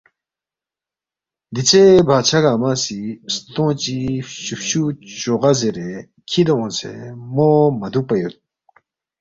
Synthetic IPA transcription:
d̪it͡sebʱat͡ɕʰaɡamasist̪õt͡ɕiɕufɕut͡ɕoʁazeɾe | kʰid̪oõnsḛmomɐd̪upɐjut̪̚

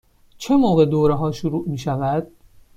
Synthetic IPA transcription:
t͡ʃʰe̞moːɣe̞d̪oːɾeɦɒːʃuɾuːʔmiːʃævæd̪̥̚

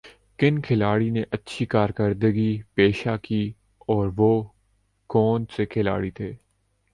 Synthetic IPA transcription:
kɪnkʰɪlaːɽineʔɐtːʃʰikaːɾkəɾd̪əɡipeːʃakiː | ɔːɾʋoː | kɔːnsekʰɪla̰ːɽit̪ʰeː

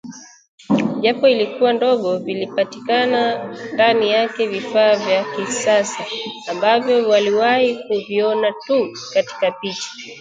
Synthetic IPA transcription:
ʄapɔilikuwandɔɠɔvilipati̥kanandanijakɛvifaːvjakisasaːmbavjɔwaliwahikuviɔnatu | kati̥kapit͡ʃḁ

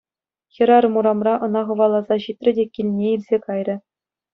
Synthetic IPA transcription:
xʲɤ̆ɾɑrɤ̆muɾɑmrɑʔɤ̆nɑχɤ̆ʋɑlˠːɑzɑʑit̪ʲrʲɘ̆dʲekʲilʲnʲeilʲzʲekɑjrʲɘ̆

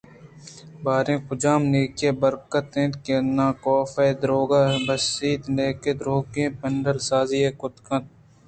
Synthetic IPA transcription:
baːɾẽːkʊd͡ʒaːmneːkeːbɐɾkət̪ẽːt̪kenãːkoːfeːd̪ɾoːɡaːbɐsiːd̪neːked̪ɾoːkẽːpɐɳɖəɾsaːziːeːkʊt̪kɐ̃t̪̚

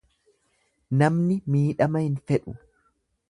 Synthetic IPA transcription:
nɐmnɪmiːᶑɐmɐhɪnfɛᶑʊ

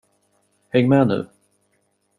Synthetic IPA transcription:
hɛŋːmɛnʉ̟̰ː

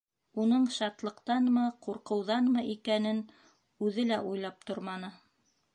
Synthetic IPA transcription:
unɤɴʃɑt̪lˠɤ̆qt̪ɑnmɤquɾqɤ̆wðɑnmɤʔikænɘn | ʉðɘlæʔujlˠɑp̚t̪oɾmɑnɤ

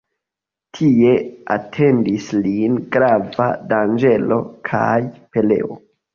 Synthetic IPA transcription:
tʰie̞a̰tʰe̞ndislinɡɾava̰dand͡ʒe̞lo̞kʰa̰jpe̞le̞̰o̞

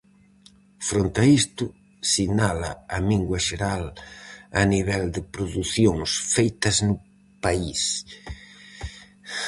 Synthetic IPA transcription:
fɾont̪ɐist̪ʊ | sinalɐɐmiŋɡwɐʃeɾal | ɐ̰niβɛld̪ɪpɾoðuθjoŋsfejt̪ɐznʊ | pais

